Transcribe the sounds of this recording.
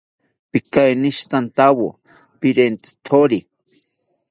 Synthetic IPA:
pɪkajniʃt̪ant̪awo̰ | piɾent̪i̥t̪ʰoɾi

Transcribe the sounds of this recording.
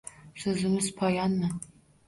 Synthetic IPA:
sɵzɪmɪzpʰɒjɑnːa

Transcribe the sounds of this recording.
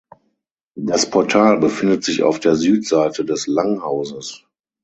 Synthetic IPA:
daspʰɔɐtʰaːlbəfɪndətz̥ɪça̰ʊfd̥eːɐzyːtz̥aɪtədɛslaŋhaʊzəs

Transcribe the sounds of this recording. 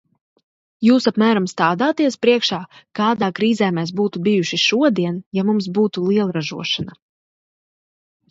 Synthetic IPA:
juːsapmæːɾamst̪aːd̪aːt̪iɛspɾiɛkʃaːkaːd̪aːkɾiːzɛːmɛːs̬buːt̪ubijuʃiʃuɔd̪iɛnjamums̬buːt̪ulˠiɛlˠɾaʒṵɔʃana

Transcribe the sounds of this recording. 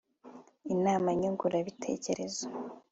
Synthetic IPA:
inaːmaɲoŋɡuɾaβitʰe̞̰ːce̞ɾe̞zo

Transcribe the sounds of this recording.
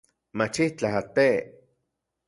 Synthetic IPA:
mat͡ʃiht͡ɬaɦat̪e

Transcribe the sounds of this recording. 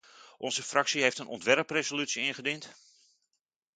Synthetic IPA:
ʔɔnzəfraksiɦeftənɔ̰ntʋɛrprezolytsiɪnχədint

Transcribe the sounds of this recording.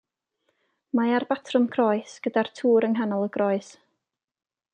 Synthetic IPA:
maarbatʰrʊmkʰrɔɨsɡ̥ədartʰuːɾəŋɦanɔlˠəɡrɔɨs

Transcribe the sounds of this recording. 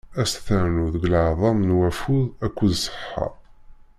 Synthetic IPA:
æsθæɾnuðəɡləʕðˤɑmnwæfuðækʷːuðsˤə̥ħħɑ̰

